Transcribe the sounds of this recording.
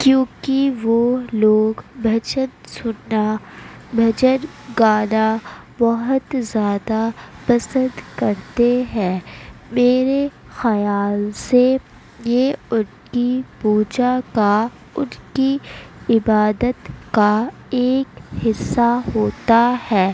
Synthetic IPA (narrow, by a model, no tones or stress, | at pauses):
kjõːkiʋoloːɡbʱɐt͡ʃənsʊnabʱɐd͡ʒən | ɡaːla | bɔɦət̪zjaːd̪apɐsə̃nd̪kɐɾt̪eɦɛ̃ːmeːɾe | xɐjaːlse | jeʊn | kipuːd͡ʒaka | ʊnkiɪbaːd̪ət̪ka | eːkhɪsːaɦoːt̪ahɛː